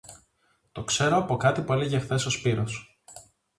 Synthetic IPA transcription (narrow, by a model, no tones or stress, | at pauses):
t̪o̞kse̞ɾo̞ɐpo̞kɐt̪ipue̞leʝexθe̞so̞spiɾo̞s